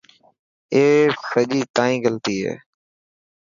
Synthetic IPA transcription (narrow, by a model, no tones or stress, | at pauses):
eːsəʄiːt̪ãːĩːɡəlt̪iːɦḛː